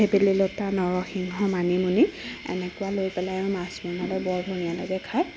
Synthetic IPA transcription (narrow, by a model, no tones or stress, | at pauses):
ebelilotanɔɹɔxiŋɦɔmanimuniɛ̰nɛkʊwalojpɛlajaɹumasmɔnalɔjbɔɹbʱunijalɔzɛkʰaj